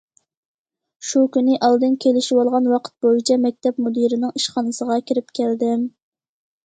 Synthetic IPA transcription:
ʃukʲynɪʔɑlˠd̪ɨnkʲʰelɪʃiwɑlˠʁɑnwɑqʰə̥t̪̚bojit͡ʃʰɛmɛk̚ʲt̪ʰɛpmud̪iɾɪnɪŋiʃχɑnɨsəʁɑkʲiɾɪpkʲʰæld̪ɪm

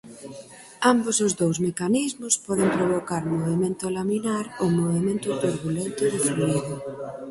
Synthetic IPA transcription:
ambosʊzðowzmekanizmʊspɔðɪmpɾoβ̞okaɾmoβemẽnt̪ʊlaminaɾomoβemẽnt̪ʊt̪uɾβulent̪ʊðɪfluiðʊ

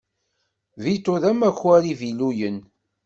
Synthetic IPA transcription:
vit̪ʊðæmæçwæɾivilujən

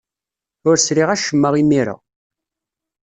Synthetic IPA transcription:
ʊɾsɾiʁæʃəmːəʁimiɾə̰

